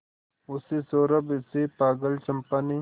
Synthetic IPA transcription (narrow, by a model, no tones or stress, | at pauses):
ʊsisoːɾɐbisipaːɡɐlt͡ʃɐmpani